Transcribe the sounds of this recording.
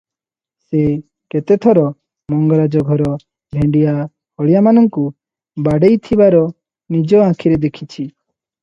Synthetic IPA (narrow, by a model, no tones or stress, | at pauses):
se | ket̪et̪ʰɔɾɔ | mɔŋɡɔɾad͡ʒɔɡʱɔɾɔ | bʱẽɳɖija | hɔɽijamanɔŋku | baɖejt̪ʰibaɾɔ | nid͡ʒɔãkʰiɾed̪ekʰit͡ʃʰi